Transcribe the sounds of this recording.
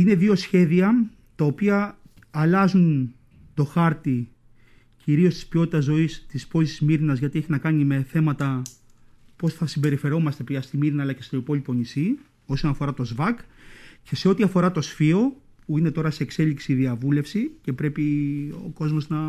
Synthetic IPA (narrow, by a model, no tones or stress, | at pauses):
ine̞ðio̞sçe̞ðiɐ | t̪ɐopiɐː | lɐzun | t̪o̞xɐɾt̪i | ciɾio̞st̪i̥spio̞t̪it̪ɐzo̞ist̪ispo̞zisizmiɾinɐzʝɐt̪ieçinɐkɐnime̞θe̞mɐt̪ɐ | po̞sθɐsimbe̞ɾife̞ɾo̞mɐst̪epɐst̪imiɾinɐːlɐce̞st̪o̞ipo̞lipo̞nisi | o̞so̞nɐfo̞ɾɐt̪o̞zvɐkce̞seo̞t̪iɐfo̞ɾɐt̪o̞sfio̞ | puine̞t̪o̞ɾɐse̞ːkse̞liksiðiɐvule̞fsicepɾe̞pio̞̰ko̞zmo̞znɐ